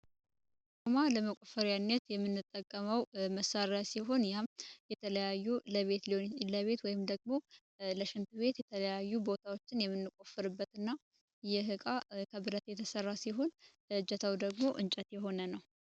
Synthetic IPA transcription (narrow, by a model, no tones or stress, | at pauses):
komaləməkʷʼofəɾianːɛt̪jɛmːɨnːɨt̪ʼːəkʼːəməwməsaɾasiɦo̞njamjɛt̪ʰələjajːuləβet̪ləβe̞t̪wɔjɪmd̪əɡmo̞ | ləʃɪnt̪ʰɨβe̞t̪jɛt̪ʰələjajːubo̞t̪ʰawo̞t͡ʃːɪnjɛmːɨnːɨkʼofɨɾɨbːət̪ɨnːa | jɛɦɨkʼakʰəbɨɾət̪jɛt̪ʰəsərːasiɦo̞n | d͡ʒɛt̪ʰəwd̪əɡmo̞ʔɨnt͡ʃʼɛt̪jɛɦo̞nənəw